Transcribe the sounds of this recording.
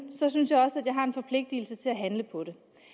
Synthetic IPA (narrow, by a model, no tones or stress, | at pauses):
sɒ̽synsjɑ̈ɪɒ̽səæd̥jɑ̈ɪɦɑ̈e̝nfɒ̽pʰle̝ɡ̥̚d̥il̩sət͡sʰe̝læɦænləpʰɒ̽ɾe̝